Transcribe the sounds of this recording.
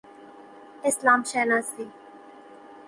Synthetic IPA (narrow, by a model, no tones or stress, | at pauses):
ɪslaːmʃɛːnaːstiː